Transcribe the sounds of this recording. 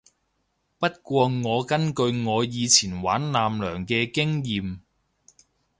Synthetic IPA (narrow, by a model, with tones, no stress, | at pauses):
pɐ˥t̚kʷɔː˧ŋɔː˨˧kɐ˥nkɵ˧ɥŋɔː˨˧jiː˨˧t͡sʰiː˨˩nwaː˨˥nlaː˨mlœː˨˩ŋkɛː˧kɪ˥ŋjiː˨˧m